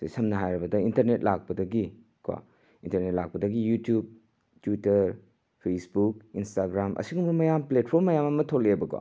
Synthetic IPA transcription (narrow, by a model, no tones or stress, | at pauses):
sejsɐmnɐɦajɾɐbɐdɐintɐɾnet̚lak̚pɐdɐɡi | ka̰ | intɐɾnet̚lak̚pɐdɐɡijutjub̚ | twitːɐɾ | pʰesbuk̚instaɡɾamʔɐ̰siɡumbɐmɐjamplet̚pʰoɾmːɐjamɐmɐtʰolebɐka̰